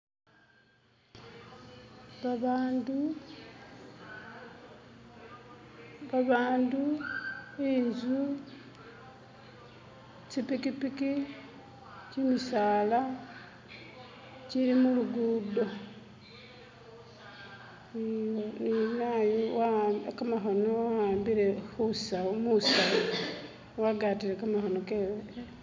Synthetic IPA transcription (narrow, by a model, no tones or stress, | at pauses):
andu | βaβaːndu | enzu | t͡ʃipikipiki | cimisaːla | cilimuluɡuːdo̞ | ninajoakamaxonoaaːmbiɾe̞xusaomusa | waɡaːtiɾekamaxonoke